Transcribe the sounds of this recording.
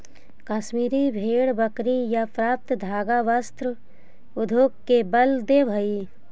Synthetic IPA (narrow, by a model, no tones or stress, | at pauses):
kaːʃmiːɾibʱeːɽbəkɾijapɾaːp̚t̪d̪ʱaːɡaʋəst̪ɾə | ʊd̪ʱoːkkebəld̪ebʱəi